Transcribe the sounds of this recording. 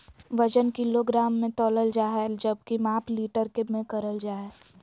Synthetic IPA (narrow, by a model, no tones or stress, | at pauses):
ʋɐd͡ʒənkɪloɡɾaːmːẽt̪ɔːləld͡ʒaːɦed͡ʒəb̚kimaːpliːʈəɾkemẽkɐɾəld͡ʒaːe